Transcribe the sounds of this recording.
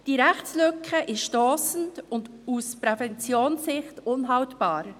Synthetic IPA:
d̥iɾɛχt͡slʏkʰːəʔɪʃʃtɔːsn̩tʊnd | uspɾɛfɛnt͡sjoːnsɪχtʊnɦɑwtb̥aːɾ

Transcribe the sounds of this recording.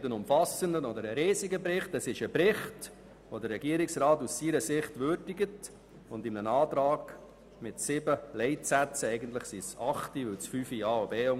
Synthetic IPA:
tənʊmfɑsəndənɔd̪əɾəɾiːzɪɡəpɾɪχtɛsɪʃəbɾɪχt | ʋodərɾɛɡiəɾɪksɾɑːtussiɾəsɪχtʋøɾdɪɡət | ʊndɪmnənɑːtɾɑːɡ̥ | mɪtsɪbəlɛɪtsæt͡səɛɪɡəntləχsisɑχtiʋɪwt͡sfyːfiɑːobeːʊ

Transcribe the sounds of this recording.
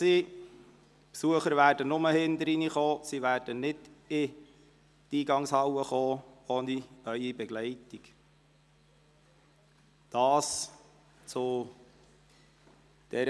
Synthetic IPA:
siː | psuəχəɾvæːrdənʊməhɪnd̪əɾiniχoːsiʋæːrd̥ənɪdɪ | tiːɡɑŋshɑwəχoːoːniœʏibɛɡ̥lɛɪtik | d̥ɑːs | t͡sʊ | d̥ɛɾ

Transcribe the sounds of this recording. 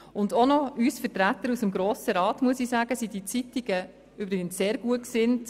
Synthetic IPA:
ʊndonɔysfətɾæt̪əɾusəmɡɾoːsəɾɑːtmuəsisaːɡ̥əsidit͡sitiɡ̥ə | ybɾɪɡənsseːɾɡuəksɪnt

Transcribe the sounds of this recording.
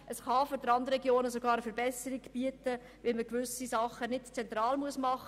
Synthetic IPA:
ʔəsχɑfʏɾd̥əɾɑnd̪əɾɾɛɡjoːnəsoɡɑːɾəfəɾbɛsəɾiɡb̥iətə | ʋɪlməkʋʏsisɑχənɪtt͡sɛnt̪ɾɑːlmuəsmɑχə

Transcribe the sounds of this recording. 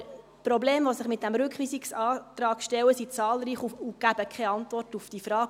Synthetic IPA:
pɾobleːmʋosɪχmɪt̚d̥æmɾʏkχʋiːsiksɑːt̪ɾɑːkʃtɛwəsit͡sɑːlɾiːχuuɡ̥æb̥əkʰχɛɑntʋɔrtufd̥ifɾɑːɡ

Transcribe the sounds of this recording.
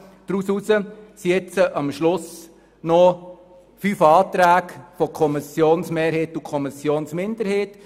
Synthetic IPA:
d̥ɾuːsusəsiɛt͡səʔɑmʃlʊs | nɔ | fyːfɑːtɾæːkfɔkʰɔmɪsjoːnsmeːɾheːtukʰɔmɪsjoːnsmɪnd̪əɾheːt

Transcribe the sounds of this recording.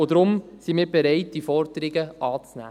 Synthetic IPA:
od̥̪ɾʊm | simɪːɾbeɾɛɪt̚d̥ifɔɾdəɾɪɡəɑːt͡snæ̰ː

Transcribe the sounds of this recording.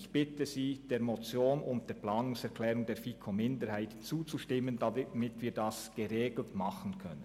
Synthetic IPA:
ɪçb̥ɪtəziːd̥eːɾmot͡sjoːnʊnt̚d̥eːɐplaːnʊŋsɛʁkʰlɛːʁʊŋdeːfikʰomɪndəɾhaɪtt͡suːt͡suʃtɪmːəndamɪtv̥iːdasɡ̥əʁeːɡl̩tmɑχənkʰœ̰nə

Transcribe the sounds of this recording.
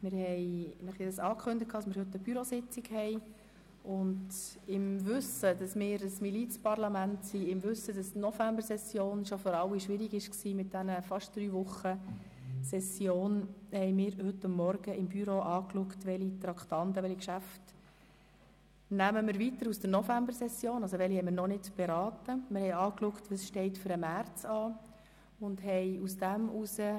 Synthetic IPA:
mɪɾhɛɪnəχedəsɑːkʰχɵndət̚kʰɑːdɑsmɪːɾhɵtːəbyɾosɪt͡sɪkhɛɪ | ʊndɪmʋʏsədɑsmɪːɾəsmilit͡spɑrlɑmæntsiɪmʋʏsːəd̥ɑsnɔfæmbəɾsɛsjoːnʃofɔɾɑwiʃʋɪɾiɡɪʃksiːmɪt̚d̥̪ænəfɑʃt̚d̥ɾyːʋʊχə | sɛsjoːnhɛɪmɪːɾhʏtːʊmːɔɾɡəɪmbyɾoʔɑːklʊktʋɛlit̪ɾɑkχtɑnt̪əʋɛlikʃæft | næməmɪɾʋitəɾusd̥əɾnɔfæmbəɾsɛsjoːnɑls̬ɔʋɛlihɛmɪɾnɔnɪtb̥ɛɾɑːtəmɪɾhɛjɑːklʊktʋɑsʃtɛɪtføɾəmært͡sɑː | ʊndhɛɪusd̥æmʔusə

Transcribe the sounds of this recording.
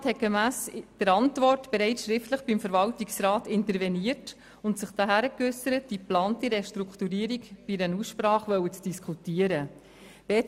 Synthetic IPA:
thɛt̚ɡ̥emæːsd̥əɾɑntvɔrtb̥ɛɾɛsʃɾɪftləχb̥imfəɾvɑltiksɾɑːtɪntəɾvɛniːərt | ʊntsɪχd̥aɦæɾəkʏsəɾət̚d̥iplɑːntiɾɛʃtɾukχtuɾiːəɾikb̥iɾɛnuːsʃpɾɑːχʋœwət͡sd̥iskʰutiːəɾə | b̥e

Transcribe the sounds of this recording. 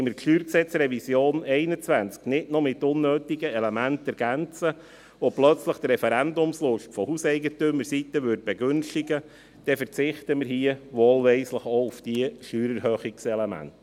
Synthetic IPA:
məɾʃyːɾksɛt͡srɛvisjoːnɛɪnət͡sʋænt͡sknɪtnɔmɪtʊnːøːtiɡəɛlɛmæntɛɾɡ̥ænt͡sə | oplœt͡sləχt̪rɛfɛɾændʊmslʊʃtfɔhusɛɪɡətʏməɾsit̪əʋøt̚b̥ɛɡʏnʃtiɡə | d̥ɛfəɾt͡sɪχtəməɾɦiəʋoːlʋɛɪsləχoʊfd̥iəʃyːɾəɾɦøːχiksɛlemæ̰nt

